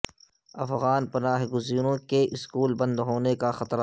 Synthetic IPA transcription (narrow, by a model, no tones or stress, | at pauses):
ɐfɣaːnpɐnaːɦɡʊziːɾõkeʔɪskuːlbɐ̃nd̪ɦoːnekaxɐt̪ɾ